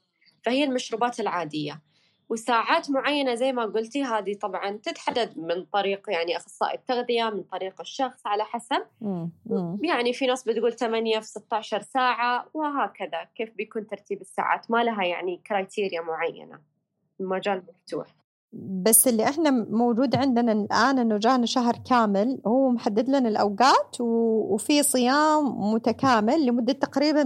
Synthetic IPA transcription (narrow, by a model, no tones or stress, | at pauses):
fahɪjːalmaʃɾuːbaːt̪ɪlʕaːd̪ɪjːa | wɪsaːʕaːt̪mʊʕajːanazajːmaɡʊlt̪iɦaːd̪it̪ˤɑbʕɑnt̪ɪt̪ħad̪ːad̪mɪnt̪ˤɑɾiːqjaʕniʔaxsˤːɑ̰ːʔɪt̪ːaɣðɪjamɪnt̪ˤɑɾiːqɪʃːɑxsˤʕalaħasab̚ | jaʕnifinaːsˤbɪt̪ɡuːlt̪amanjafisɪt̪ːaʕʃɑɾˤsaːʕawɪɦaːkɪðakeːfbɪjkuːnt̪ɪɾˤt̪iːbɪsːa̰ːʕa̰ːt̪malaɦajaʕnikɾajt̪ʰiːɾjamʊʕajːa̰na̰ | mad͡ʒaːlmaft̪ṵːħ | basːɪlːiʔɪħnamowd͡ʒuːd̪ʕɪnd̪ɪnalʔaːnʔɪnːʊd͡ʒaːnaʃaɦɾˤkaːmɪlhuːmʊħad̪ːɪd̪lanɪlʔawɡaːt̪wwfisˤɨjaːmːʊt̪akaːmɪlːɪmʊd̪ːat̪ːaqɾiːban